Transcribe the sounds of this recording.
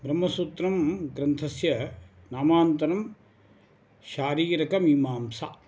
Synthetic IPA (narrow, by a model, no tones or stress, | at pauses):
bɾɐmːɐsuːt̪ɾɐmɡɾɐnt̪ʰɐsjɐ | naːmaːnt̪ɐɾɐm | ʃaːɾiːɾɐkɐmiːmaːmsa̰